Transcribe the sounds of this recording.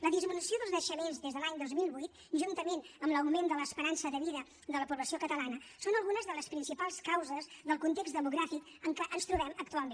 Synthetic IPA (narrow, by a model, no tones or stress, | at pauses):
ləðizminusioðəlˠznəʃəmenzðezðəlaɲd̪ozmilˠβujt̪̚ | ʒunt̪əmenəmləwmend̪ələːspəɾansəðəβiðə | d̪ələpuβləsiokət̪əlanəsonəlˠɣunəzðələspɾinsipalˠskawzəzðəlˠkunt̪eksd̪əmuɣɾafik | əŋkɛʔənst̪ɾuβɛməkt̪ualˠme